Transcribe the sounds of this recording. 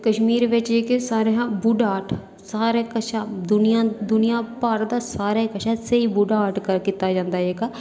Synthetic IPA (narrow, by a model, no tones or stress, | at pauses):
kəʃmiːɾʋɪt͡ʃekesaːɾeːãːbʊɖaːʈʰ | saːɾeːkəʃaːd̪ʊnɪjãːd̪ʊnɪjãːpaːɾd̪aːsaːɾeːkəʃʰaːseiːbʊɖaːʈkəɾkiːt̪aːd͡ʒãːnd̪aːeːkaː